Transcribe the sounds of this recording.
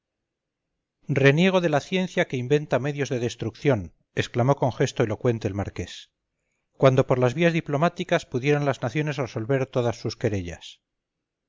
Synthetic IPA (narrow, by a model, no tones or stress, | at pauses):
re̞nje̞ɣ̞o̞ðe̞laθje̞nθjake̞imbe̞nt̪ame̞ðjo̞zðeðe̞st̪ɾukθjo̞n | e̞sklamo̞koŋxe̞st̪oelo̞kwe̞nt̪e̞ːlmaɾke̞s | kwand̪o̞po̞ɾlazβiazðiplo̞mat̪ikaspuðje̞ɾanlaznaθjo̞ne̞sre̞so̞lβe̞ɾt̪o̞ðasːuske̞ɾe̞ʎa̰s